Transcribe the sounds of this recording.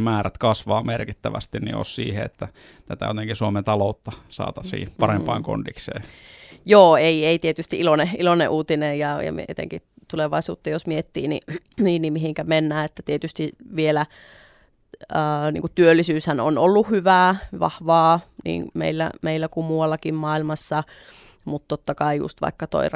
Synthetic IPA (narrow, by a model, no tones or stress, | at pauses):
mæːræt̪kɑsʋɑːmerkit̪ːæʋæ̰st̪innḭʔo̰ssḭːhḛḛt̪ːæ | t̪æt̪æ̰jot̪eŋkisuoment̪ɑlout̪ːɑsɑ̰ːt̪ɑsḭːpɑɾempɑiŋko̰ndiksḛːjoːeieit̪iet̪yst̪iʔiloneʔilonḛʔuːt̪inejjɑjɑ̰mḭḛt̪ḛŋkit̪uleʋɑisṵːt̪ːɑjosmiet̪ːḭːnḭniːnnimihiŋkæmenːæːet̪ːæt̪iet̪yst̪iʋielæ | əːnḭŋkutt̪yølːisyːshæno̰nolːuhyʋæːʋɑ̰hʋɑːnḭːnmḛilːæ̰meilːækumuɑlːɑkimmɑilmɑsːɑ | mut̪tːot̪ːɑkɑijṵst̪ʋɑ̰ikːɑt̪o̰ir